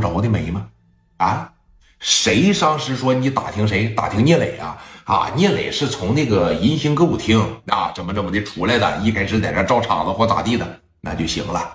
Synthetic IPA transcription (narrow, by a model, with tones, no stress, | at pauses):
ʈ͡ʂwɔ˧˥d̪e˥˩me˨˩˥mɐ˧ | a˧˥ɪ | ʂe˧˥ɪʂɑ˥ŋʂɻ̩˧˥ʂwɔ˥n˧˩t̪a̰˨˩t̪ʰi˧˥ŋʂ̬e˧˥ɪt̪a̰˨˩t̪ʰi˧˥ŋɲjɛ˥˩lḛ˨˩ɪa̰˧a̰˥˧njɛ˥˩lḛ˨˩ɪʂɻ̩˥˩t͡sʰʊ˧˥ŋna˥˩ɡə˩i˧˥nɕi˧˥ŋkɤ˥u˨˩t̪ʰi˧˥ŋa̰˧˩ʈ͡ʂə˧˥˩mə˧ʈ͡ʂə˥˩mə˩d̪e˧˩ʈ͡ʂʰu˧˥la˧ɪd̪ə̰˩i˥˩kʰa˥ɪʂɻ̩˥˩t̪jɛ̰˨˩ɑ˥ʈ͡ʂɑ˥˩ʊʈ͡ʂʰɑ̰˨˩ŋd̪ə˦xwɔ˥t̪a̰˨˩t̪i˥˩d̪ə˩ | na̰˥˧t͡ɕjo˥˩ʊɕḭ˧˥ŋlə˧